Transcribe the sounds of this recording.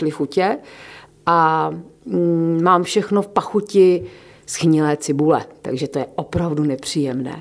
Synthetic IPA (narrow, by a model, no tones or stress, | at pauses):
lɪfxucɛ | ʔa | maːmfʃɛxno̞fpaxucɪ | sxɲɪlɛːt͡sɪbulɛ̰t̪a̰ɡʒɛt̪ojɛʔopɾavdunɛpr̝̥iːjɛmnɛ̰ː